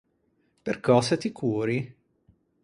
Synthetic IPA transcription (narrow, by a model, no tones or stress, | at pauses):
perkɔːset̪ikʰuːɾi